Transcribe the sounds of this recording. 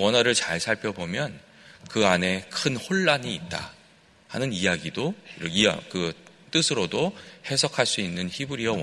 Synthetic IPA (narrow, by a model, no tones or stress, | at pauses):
wʌnɦaɾɯɭt͡ɕaɭsʰaɭpʰjʌbomjʌn | kɯane̞kʰɯnhoɭːaniːt̚t͈a̰ | hanɯnijaɡidoiɾʌia̰kɯ | t͈ɯsʰɯɾodohe̞sʰʌkʰaɭs͈uinːɯnçibuɾiʌw